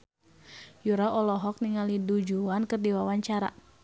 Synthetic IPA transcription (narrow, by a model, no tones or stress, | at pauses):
juɾaɔlɔɦɔk̚niŋalidud͡ʒuankɨrdiwawaɲt͡ʃaɾa̰